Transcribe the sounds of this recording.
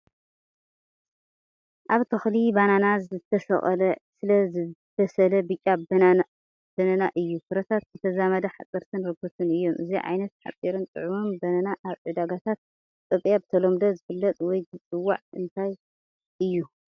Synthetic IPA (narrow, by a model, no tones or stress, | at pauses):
ʔaβt̪ʰɐxlibananazɨt̪ʰːɐsɐ̰χʼɐ̰lɐsɨlɐzɨb̪ɐsɐlɐbɨt͡ʃʼːaa | b̥ɐnɐnaʔɨjːukɨɾɐt̪ʰat̪̚zɨt̪ʰɐzamɐd̪ɐħa̰t͡sʼɨɾt̪ʰɨnɾɨɡɨt̪ʰɨnɨjːomʔɨziʕa̰jnɐt̪ħa̰t͡sʼːiɾɨnt̪ʼɨ̰ʕumɨnbɐnɐnaʔaβʕɨd̪aɡat̪ʰat̪̚ | t̪ʼɐβjabɨt̪ʰɐlomd̪ɐzɨfɨlːɐt̪ʼwɔjzɨt͡sʼɨwːa̰ʕɨnt̪ʰaj | ʔɨjːu